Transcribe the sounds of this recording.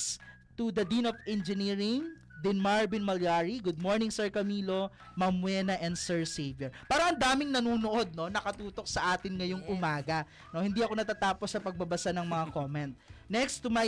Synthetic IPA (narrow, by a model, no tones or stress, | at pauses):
s | t̪ud̪ɐd̪inofɛnd͡ʒɛniːɹɪŋ | d̪ɪnmaɹbɪnmɐljaɹiɡʊd̪̚moɹnɪŋsɛɹkɐmiːlo̞ | mɐmwɛːnɐʔɛnd̪sɛɹsejvjoɹpaːɾɐʔɐnd̪aːmɪŋnɐnuːnoʔo̞d̪̚no̞nɐkɐt̪uːt̪o̞k̚sɐʔaːt̪ɪnŋɐjoŋʊmaːɡɐ | nohɪnd̪iʔɐko̞nɐt̪aːt̪aːposɐpɐɡ̚bɐbɐsanɐŋmɐŋako̞mɛnt̪̚nɛkst̪uma